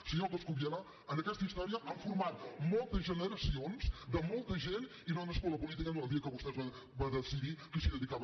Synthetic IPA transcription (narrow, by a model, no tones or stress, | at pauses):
sɨɲokoskuβjɛɾa | ɐ̃nd̪ɐkɛʃt̪ɐiʃt̪ɔɾiɐʔãw̃fuɾmaðmolˠt̪ɐzʒənəɾɐsiõnzd̪əmolˠt̪ɐʒẽnt̪ | inõw̃nɐʃkɔlˠɐpulˠit̪ikɐnũɛlˠd̪iɐkoβɔʃt̪ezβɐ̃ | bɐ̃ðəsiðikɨsiðəðikaβ